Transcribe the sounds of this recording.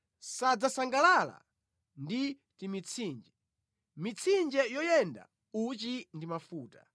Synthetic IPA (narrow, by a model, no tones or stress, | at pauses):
sad͡zasaŋɡalala̰ | ndi | timit͡sʰiːnd͡ʒɛ | mit͡sʰind͡ʒɛjɔjɛnda̰ | ut͡ʃindimafuːta